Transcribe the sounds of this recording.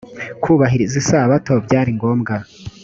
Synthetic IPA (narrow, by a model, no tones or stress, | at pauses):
kʰuːβaɦiɾizisaːβatobɟaːɾiŋɡo̞ːmɡa